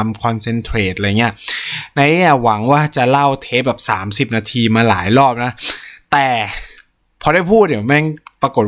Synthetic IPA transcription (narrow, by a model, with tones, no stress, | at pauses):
mkʰɔ˧nse˧nt̪ʰɾeː˨˩t̪̚ʔːi˦˥ɐna˦˥jni˥˩wa˩˦ŋwaː˥˩t͡ɕa˨˩la˥˩wt̪ʰeː˦˥bɛː˨˩p̚saː˩˦msi˨˩p̚naː˧t̪ʰiː˧maː˧laː˩˦jlɔː˥˩p̚na˦˥t̪ɛː˨˩ | pʰɔː˧ɾa˥˩jpʰuː˥˩t̪̚di˩˦˩mɛː˥˩ŋpa˧ko˨˩t̪̚